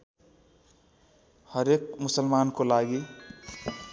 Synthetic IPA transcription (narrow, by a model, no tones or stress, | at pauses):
həɾekmʊsəlmankolaɡi